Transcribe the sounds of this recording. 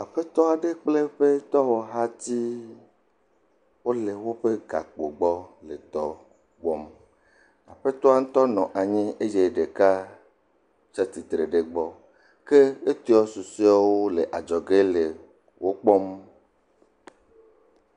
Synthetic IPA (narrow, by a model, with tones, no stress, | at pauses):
a˨ɸe˦t̪ɔ˦a˨ɖe˦k͡ple˦ɸe˦t̪ɔ˦wɔ˨ɦa˦t̪i˦ | wo˦le˨wo˦ɸe˦ɡa̰˨k͡po˨ɡ͡bɔ˦le˨t̪ɔ˦ | ɡ͡bɔ˦m | a˨ɸe˦t̪ɔ˦a˦ŋ̩̃˦t̪ɔ˦nɔ̃˨ʔa˨ɲĩ˦e˦d͡ʒe˦ɖe˨ka˦ | t͡ʃa˦t̪i˨t̪ɾe˨ɖe˨ɡ͡bɔ˦ | ke˦e˦t̪i˦ɔ˦su˨si˦a˦wo˦le˨ʔa˨d͡ʒɔ˨ɡe˦le˨ | wo˦k͡pɔ˦m